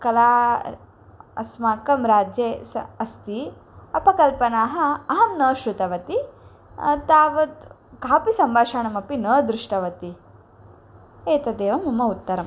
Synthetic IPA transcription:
kɐlaː | ɐ̰smaːkɐmɾaːd͡ʒjeːsɐɐst̪iɐpɐkɐlpɐnaːɦɐ̆ɐɦɐmnɐːʃɾut̪ɐʋɐt̪i | t̪aːʋɐt̪ | kaːpisɐmbʱaːʃaːɳɐmɐpinɐːd̪ɾuʂʈɐʋɐt̪i | eːt̪ɐd̪eːʋɐmɐmɐut̪ːɐɾɐm

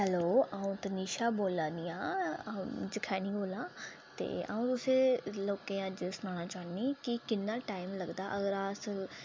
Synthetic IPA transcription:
ɦɛloːaːũːt̪əniːʃaːboːlãːd̪ijãː | d͡ʒəkʰɛːnĩːboːlãː | t̪ḛːa̰ːũːt̪ʊsẽːloːkẽːad͡ʒesʊnãːñaːt͡ʃaːniːkɪkɪnːaːʈaːɪmləɡd̪aːʔəɡəɾaːs

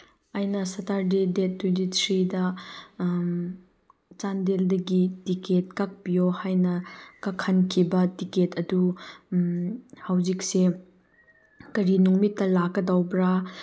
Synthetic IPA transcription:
ajnɐsɐtaɾdidetʰːwentitʰɾidɐ | t͡ʃandeldɐɡitiket̚kak̚pijohajnɐkakʰːɐnkʰibɐtiketʰɐdu | hawzik̚se | kɐɾinuŋmitːɐlakːɐdawbɾa

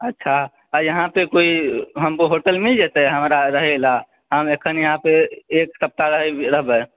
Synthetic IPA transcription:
ətːʃʰa | ajəɦãpekoiɦəmpoɦoʈəlmed͡ʒet̪ɛɦəmɾaɾəɦɛla | ɦəmekʰənjəɦãpeeksəp̚t̪aɾəɦɛɾəɦbɛ

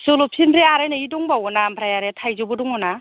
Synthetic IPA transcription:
solɔpʰinbɾeaɾajnaidɔŋbawɔnampʰɾajaɾetʰajzobɔdɔŋɔna

